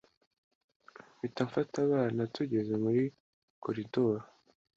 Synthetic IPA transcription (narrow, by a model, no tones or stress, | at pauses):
βitaɱfataβaːnatuɟe̞ze̞muɾi | ko̞ɾidoːɾo